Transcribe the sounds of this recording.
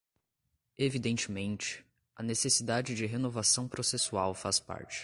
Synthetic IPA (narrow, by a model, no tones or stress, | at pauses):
evid̪ẽnt͡ʃɪmẽnt͡ʃɪ̥ | ɐnesesid̪ad͡ʒɪd͡ʒɪɦenovasɐ̃w̃pɾosesuawfaspa̰ɾt͡ʃɪ̥